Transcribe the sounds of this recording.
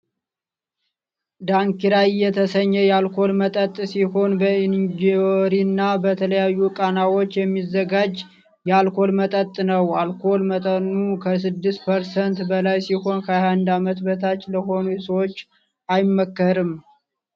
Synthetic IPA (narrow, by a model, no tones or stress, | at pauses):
d̪aŋkiɾajːɛt̪ʰəsəɲːəjɛalkʰo̞lmət̪ʼət̪ʼsiho̞nbəind͡ʒioɾinːabət̪ʰələjajːukʼanawo̞t͡ʃːjɛmːizːəɡad͡ʒ | jɛalkʰo̞lmət̪ʼət̪ʼːnəwalkʰo̞lmət̪ʼənːukʰəs̬ɨd̪ːɨst̪pʰəɾsənt̪bəlajsiho̞nkʰəajhand̪amət̪bət̪ʰat͡ʃːləho̞nusəwot͡ʃː | ajmːəkːəɾɨm